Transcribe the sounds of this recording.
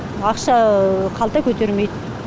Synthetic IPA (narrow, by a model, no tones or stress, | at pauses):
ɑqʃɑqʰɑlˠt̪ɑkʲʰɵt̪e̞ɾme̞jd̪ɪ